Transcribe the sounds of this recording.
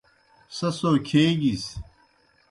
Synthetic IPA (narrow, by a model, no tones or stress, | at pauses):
sɐsoːkʰeːɡis